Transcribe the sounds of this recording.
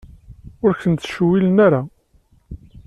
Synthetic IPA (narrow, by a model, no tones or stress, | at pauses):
ʊɾçənt̪ʃwilənaɾa